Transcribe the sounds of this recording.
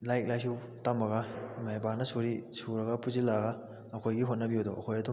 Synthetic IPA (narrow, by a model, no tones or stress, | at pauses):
lajk̚lajsu | tambɐɡɐmajbanɐsuɾisuɾɐɡɐpuzilaɡaː | kʰojɡiɦot̚nɐbiudoɐkʰojɐdu